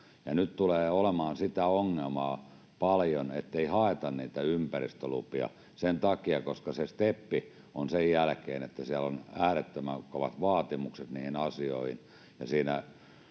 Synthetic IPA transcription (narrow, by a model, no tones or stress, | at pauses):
jɑnytt̪uleːolemɑːnsit̪æoŋːelmɑː | pɑljonet̪ːeihɑet̪ɑnniːt̪æympærḭst̪ølṵpiɑ̰ | sent̪ɑkiɑkoskɑsest̪epːi | onsejjælkḛːnet̪ːæsiælonæːret̪ːømæŋkoʋɑt̪ʋɑːt̪imukset̪niːhinɑsio̰ihin | jɑsiːnæ